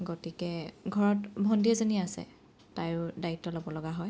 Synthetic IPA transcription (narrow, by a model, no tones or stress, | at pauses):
ɡotikɛɡʱɔɹɔtbʱɔndiɛzoniasɛ̰ | tajʊdaitːɔlobɔlɔɡaɦɔj